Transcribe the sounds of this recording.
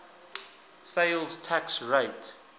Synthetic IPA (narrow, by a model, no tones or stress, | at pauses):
seɪlztʰaksɹeɪt